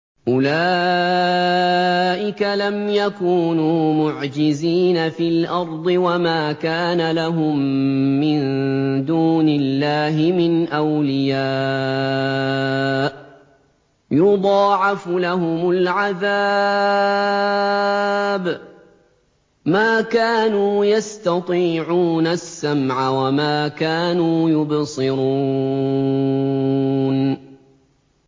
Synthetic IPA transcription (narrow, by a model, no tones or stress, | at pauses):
ʔʊlaː | ʔɪkalamjakuːnuːmʊʕd͡ʒɪziːnafiːlʔɑɾˤd̪ˤɨwamaːkaːnalaɦʊmːɪnd̪uːnɪlːaːɦɪmɪnʔawlɪjaː | ʔ | jʊd̪ˤɑːʕɑflaɦʊmʊlʕaða | b | maːkaːnuːjast̪ɑt̪ˤiːʕuːnasːamʕawamaːkaːnuːjʊbsɨɾu | n